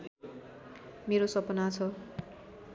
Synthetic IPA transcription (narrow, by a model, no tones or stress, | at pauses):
meɾosʌpʌnat͡sʰʌ